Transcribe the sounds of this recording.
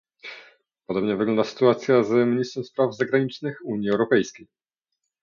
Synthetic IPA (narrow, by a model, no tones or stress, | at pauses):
pɔd̪ɔbɲɛvɘɡlɔnd̪asɘ̥t̪uat̪sʲjazmʲɲist̪ɾɛ̃m̃spɾavzaɡɾaɲit͡ʂnɘxuɲiɛwɾɔpɛjskʲej